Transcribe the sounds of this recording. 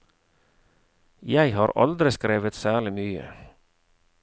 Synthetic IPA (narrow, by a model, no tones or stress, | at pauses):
jæɪhɑːɾʔɑ̰ld̪ɾɪskɾeːʋət̪sæːɭɪmyːə̰